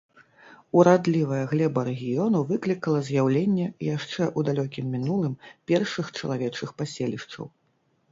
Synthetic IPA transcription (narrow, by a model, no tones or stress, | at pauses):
uɾad̪lʲivɐjɐɣlʲɛbɐɾɛɣʲijɔnuvɨklʲikɐlˠɐzʲjawlʲenʲːɛjaʂt͡ʂɛʔud̪alʲɔkʲimːʲinulˠɨmpʲɛrʂɨxt͡ʂɐlˠavʲɛt͡ʂɨxpasʲelʲiʂt͡ʂɐ̰w